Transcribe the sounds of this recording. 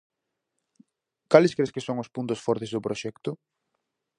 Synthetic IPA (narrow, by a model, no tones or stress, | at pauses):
kalɪskɾeskɪsoŋʊspunt̪ʊsfɔɾt̪ɪzðʊpɾoʃɛkt̪ʊ